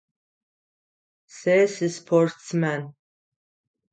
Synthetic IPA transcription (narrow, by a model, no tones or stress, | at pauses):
sesɨspʰortsmæn